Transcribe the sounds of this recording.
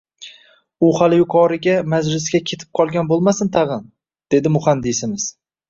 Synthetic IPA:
ʊhaljʊqʰɒɾɪɡʲamazlɪsɡʲakʲʰe̞t̪ʰɪ̥p̚qʰɒlˠɡʲanbolˠmasɪnt̪ʰɑʁɨn | d̪̥e̞d̪ɪmʊχand̪ɪsɪmɪz̥

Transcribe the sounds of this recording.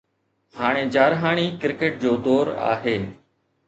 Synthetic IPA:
ɦaːɽ̃eːd͡ʑaːɾɦaːɳ̃iːkɪɾkeːʈ̚d͡ʑoːd̪oːɾa̰ːɦeː

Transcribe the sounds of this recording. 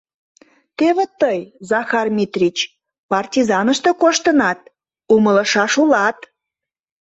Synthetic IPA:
t̪eβet̪əjzɑxɑrmʲit̪rʲit͡ɕ | pɑrtʲizɑnəʃt̪okoʃt̪ənɑt̪̚ | umələʃɑʃulɑt̪

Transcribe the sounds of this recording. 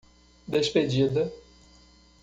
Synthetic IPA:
d̪esped͡ʒid̪ɐ

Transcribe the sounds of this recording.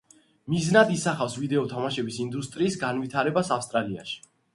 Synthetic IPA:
miznad̪isaχafsvid̪ɛɔt̪ʰamaʃɛbisind̪ust̪ʼɾiːsɡanvit̪ʰaɾɛbasafst̪ʼɾalia̰ʃi̥

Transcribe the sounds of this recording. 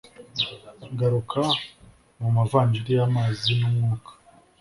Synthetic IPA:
ɡaɾukʰa | mumavaːɲd͡ʒiɾijamaːzinumŋuːkḁ

